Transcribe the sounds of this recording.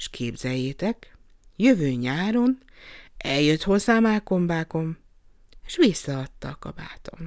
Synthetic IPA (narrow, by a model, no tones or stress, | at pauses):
ʃkʰeːbzɛjːeːt̪ɛk | jøvøːɲaːɾo̞n | ɛljøt̪ho̞zːaːmaːko̞mbaːko̞m | e̥ʃʋisːɒɒt̪ːɒkɒ̰ba̰ːt̪o̞̰m